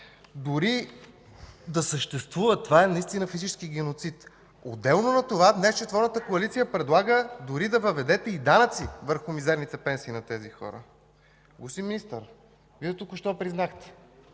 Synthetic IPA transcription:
d̪oɾi | d̪ɐsəʃt̪ɛst̪vuvət̪ovaɛnɐist̪inəfizit͡ʃɛ̥sk̟iɡɛnot̪sit̪ | od̪ːɛlˠnonɐt̪ovad̪nɛst͡ʃɛt̪vɔɾnət̪əkoɐlit̪sijəpɾɛd̪lˠaɡəd̪oɾid̪ɐvəvɛd̪ɛt̪ɛid̪anət̪sivəɾxʊmizɛɾnit̪ɛpɛnsiːnɐt̪ɛzixɔ̰ɾə̰ | ɡosiminist̪əɾ | vid̪ɛt̪ukʊʃt̪ɔpɾiznaxt̪ɛ̥

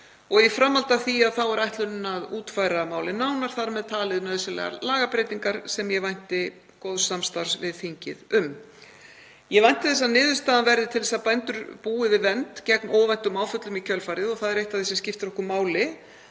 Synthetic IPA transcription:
ɔɣifɾamːalt̪aθiaðθawɛɾajht̪lʏnɪnaðuːt̪fajɾamaːwlɪnawnaɾ̥θaɾmɛðt̪ʰaːlɪðnœːðsɛlɛ̰ɣa̰laːɣapɾejt̪iŋkaɾ̥sɛmjɛvajn̥t̪ɪ | koːwðsamst̪aɾ̥svɪðθiɲcɪ̰ðʏm | jɛvajn̥t̪ɪθɛs̬ːanɪːðʏst̪aːðanvɛɾðɪt̪ʰɪlɛsaðpajnt̪ʏɾpuːɪvɪðvɛnt̪cɛknɔːvajn̥t̪ʏmaːwfʏt̪lʏmicʰœlfajɾɪðɔθaðɛɾejht̪aðθisɛmscɪft̪ɪɾɔhkʏɾmaːwlɪ

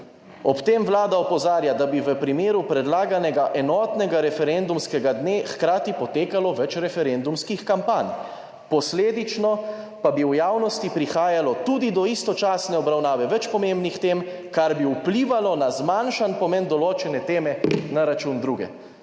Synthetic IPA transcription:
ɔpt̪emʋlaːd̪aɔpɔzaːɾjad̪abiʋəpɾimeːɾupɾɛd̪laːɡanɛɡaʔɛnɔːt̪nɛɡaɾɛfɛɾend̪umskɛɡad̪neːxkɾaːt̪ipɔt̪eːkalɔʋɛt͡ʃɾɛfɛɾɛnd̪umskixkampaːnʲ | pɔsleːd̪it͡ʃnɔ | pabiwjaːwnɔst̪ipɾixaːjalɔt̪ud̪id̪ɔist̪ɔt͡ʃaːsnɛɔbɾawnaːʋɛʋɛt͡ʃpɔmẽmbnixt̪emkaɾbiupliːʋalɔnazmanʃanpɔmɛnd̪ɔloːt͡ʃɛnɛt̪eːmɛnaɾat͡ʃund̪ɾuːɡɛ̰

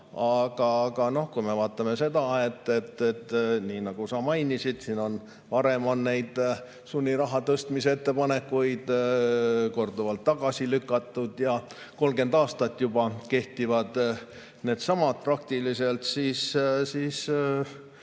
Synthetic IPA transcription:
ɑɡ̥ɑɡ̥ɑno̞hkujme̞vɑːt̪ːˑɑme̞se̞d̪ɑe̞t̪ːe̞t̪ːet̪ːniːnɑɡ̥usɑmɑjnisid̪̥siːno̞n | vɑɾe̞mo̞nːe̞jd̪̥ | sunʲːiɾɑɦɑt̪ɤst̪miseet̪ːepɑne̞kːujd̪̥ | ko̞rd̪uvɑlt̪ːɑɡ̥ɑsilykːˑɑt̪ːˑud̪̥jɑ | ko̞lɡe̞nd̪ɑːst̪ɑt̪ːˑjubɑke̞ht̪ivɑd̪̥ | ne̞ːd̪̥sɑmɑt̪̚prɑk̚t̪ilise̞lt̪siːssiːs

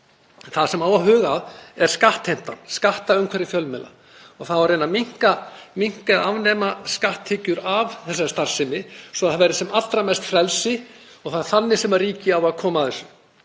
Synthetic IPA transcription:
nθaðsɛmaːwaɦʏːɣaðɛɾ̥skaht̪hejm̥t̪anskaht̪aʏmkʰɛɾɪfjœlmɛːla̰ | ɔɣθaðvaɾejnamiŋ̥kamiŋ̥kaðavnɛmaskaht̪ʰːɪcʏɾavθɛsːaɾst̪ar̥sɪmɪsvɔaðavɛɾɪsɛmat̪ːɾamɛst̪fɾɛlsɪ | ɔɣθaðɾ̥θanːɪsɛmaɾriːcɪawaðkʰɔːmaθɛsːʏ̥

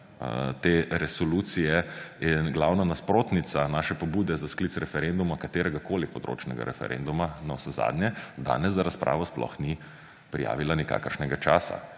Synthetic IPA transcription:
t̪eɾɛsɔluːt̪sijɛinɡlawnanaspɾoːt̪nit̪sanaːʃɛpɔbuːd̪ɛzasklit̪sɾɛfɛɾend̪umakat̪eːɾɛɡakoːlipɔd̪ɾo̰ːt͡ʃnɛɡa̰ɾɛ̰fɛ̰ɾʔḛnd̪umanɔsɛza̰d̪njɛd̪a̰ːnɛszzaɾaspɾʔa̰ːʋɔsplɔ̰xni | pɾija̰ːʋilanika̰ːkəɾʃnɛɡat͡ʃaːsa̰

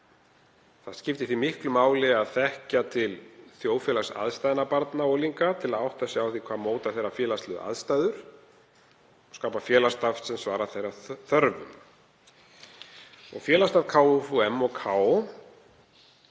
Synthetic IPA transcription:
θaðscɪft̪ɪθimɪhklʏmaːwlɪaðθɛhcat̪ʰɪlθjoːwfjɛːlasa̰ðst̪ajðɪnapaɾt̪naɔɣliŋkat̪ʰɪlaðawht̪asːɪawθikʰv̥aːðmoːwt̪aθejɾːafjɛːlast̪lʏðʔa̰ðst̪ajðʏɾ̥ | ɔskaːpafjɛːlast̪aft̪sɛmsvaːɾaθejraθœɾvʏ̰m | ɔ̰ɣfjɛːlast̪afkʰaːwʏfuɛmːɔɣkʰaːo

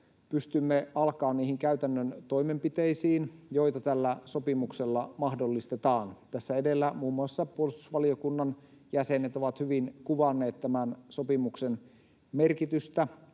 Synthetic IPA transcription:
pyst̪ymːeɑlkɑːnniːhiŋkæyt̪ænːønt̪o̞ime̞mpit̪e̞isiːnjo̞jt̪ɑt̪ælːæso̞pimukse̞lːɑmɑhdolːist̪et̪ɑːnt̪æsːæedelːæmuːmːuɑsːɑpuolist̪u̥sʋɑliokunːɑn | jæse̞net̪o̞ʋɑt̪hyʋinkuʋɑnːeːt̪tæmænso̞pimuksen | merkit̪yst̪æ

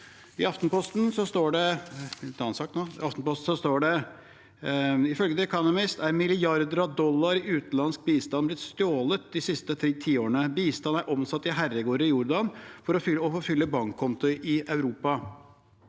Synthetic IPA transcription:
ɪɑft̪npɔst̪nsɔst̪oːɖɛ | ɑnsɑk̚t̪nɔɑft̪npɔst̪n̩sɔst̪oːɖɛ | ɪfœlɡəd̪ɛɛkʰɑnəmɪst̪æɾmɪlɪjɑɾd̪əɾɑd̪ɔlːɑɾɪʉːt̪n̩lɑnsk̚biːst̪ɑnblɪt̪st̪oːlət̪̚d̪ɪsɪst̪ət̪ʰɾeːt̪ʰiːoːɾɳəbiːst̪ɑnæɾʔɔmsɑt̪ːɪɦærəɡoːɾəɪjʊɾd̪ɑnfɔɾɔfʏɔfoːfʏlːəbɑŋkʰːɔnt̪ʊʔɪɑʉɾuːpɑ

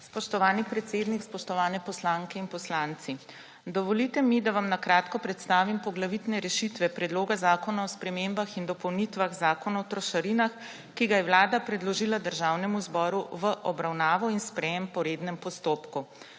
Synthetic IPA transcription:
spɔʃt̪ɔʋaːnipɾɛt̪seːd̪nikspɔʃt̪ɔʋaːnɛpɔslaːŋkɛinpɔslaːnt̪si | d̪ɔʋɔlit̪ɛmid̪aʋamnakɾaːt̪kɔpɾɛt̪st̪aːʋimpɔɡlaʋit̪nɛɾɛʃit̪ʋɛpɾɛd̪loːɡazaːkɔnaɔspɾɛmembaxind̪ɔpɔwnit̪ʋaɣzaːkɔnaɔt̪ɾɔʃaɾinax | kiɡajɛʋlaːd̪apɾɛd̪lɔʒilad̪əɾʒaːwnɛmuzbɔːɾuʋəʔɔbɾawnaːʋɔinspɾɛjɛmpɔɾeːd̪nɛmpɔst̪oːpku

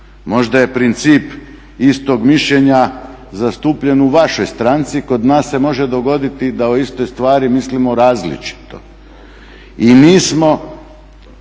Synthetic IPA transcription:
mo̞ʒd̪aje̞pɾint̪siːp | ist̪o̞ɡmiʃʎeɲa | zast̪uːpʎe̞nuʋaʃo̞jst̪ɾant̪siko̞d̪naːsːe̞mo̞ʒed̪o̞ɡo̞d̪it̪id̪aoist̪o̞jst̪ʋaːɾimislimoɾaːzlḭt͡ʃi̥t̪o̞̰ | iniːsmo̞

